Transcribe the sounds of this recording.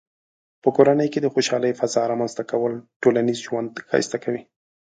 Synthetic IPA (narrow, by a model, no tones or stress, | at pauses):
pəkoɾanəjked̪əxoʃɑləjfazɑɾɑmanzt̪akawəlʈolanizʒwand̪xɑ̰jst̪akawi